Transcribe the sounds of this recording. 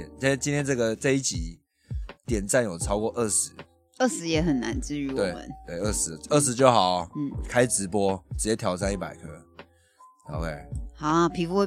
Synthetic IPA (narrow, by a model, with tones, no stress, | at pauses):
ɛ˨˩na˥t͡ɕi˥nt̪jɛ˥nʈ͡ʂɤ˥˩ɡə˩t͡sa˥˧i˥˩t͡ɕi˨˥ | t̪jɛ˨˩nt͡sa˥˩njo˨˩ʊʈ͡ʂʰɑ˥ʊkwɔ˥˧ʔə˥˩ʂɻ̩˧˦ | ə˥˩ʂɻ̩˧˥jɛ˧˥xə˨˩nna̰˧˦nt͡sɹ̩˥˧y˧˥wt̪we˨˥˩ɪmə̰˨˦nt̪we˥˩ɪə˥˩ʂɻ̩˨˧˦ə˥˩ʂ̬̩˧˦t͡ɕjo˥˩ʊxɑ˨˩˦ʊ˥˩kʰa˥ɪʈ͡ʂɻ̩˧˥pwɔ˥ʈ͡ʂ̩˨˩t͡ɕjɛ˧˥t̪ʰjɑ˨˩ʊt͡sa˥˧ni˥˩pa˨˩ɪkʰɤ˥ | ɑ̰˨˦ʊkʰe˥˩ɪa˥pʰi˧˥fu˥w